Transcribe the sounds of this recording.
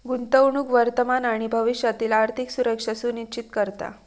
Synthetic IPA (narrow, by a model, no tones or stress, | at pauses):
ɡunt̪əwɳɽ̃uːkʋəɾt̪əmanaɽ̃ibʱəʋiʂjat̪iːlaɾt̪ʰiksuɾəkʂəsunit͡ɕit̪kəɾt̪a̰